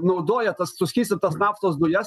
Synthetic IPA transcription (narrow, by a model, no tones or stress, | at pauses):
nɐʊd̪oːjɛt̪ɐssʊsʲkʲiːsʲt̪ʲɐt̪ɐsnɑːft̪oːs̬d̪ʊjɛs